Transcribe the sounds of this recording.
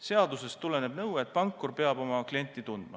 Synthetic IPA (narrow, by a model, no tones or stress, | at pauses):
se̞ɑd̪use̞st̪ule̞ne̞b̥nɤwet̪̚ːˑpɑŋkːˑorpe̞ɑbo̞mɑklie̞nʲt̪ːˑit̪und̪̥mɑ